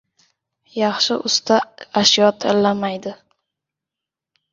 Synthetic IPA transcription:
jɑχʃɪʔʊst̪ʰaaʃjɒt̪ʰɪlːamajd̪ɪ

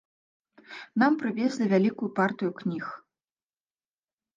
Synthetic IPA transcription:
n̪ampɾɨvʲezʲlʲivʲalʲikujupart̪ɨjuknʲix

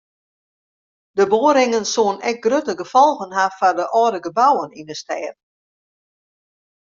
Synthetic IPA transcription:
d̥əboːəɾɪŋənsoənɛk̚ɡrøtəɡəfɔlˠɣənɦafardəʔɔːdəɡəbawəninəstɛːt

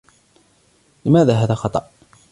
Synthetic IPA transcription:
lɪmæːðaːɦaːðaːxɑt̪ˤɑ̰ʔ

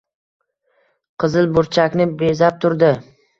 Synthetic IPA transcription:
qʰɨzɪlbʊɾt͡ʃʰakʲnɪbezap̚t̪ʰʊɾd̪ɪ

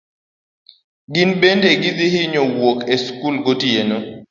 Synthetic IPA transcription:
ɡɪnbendeɡid̪ɪhɪɲowokeskulɡotijeno

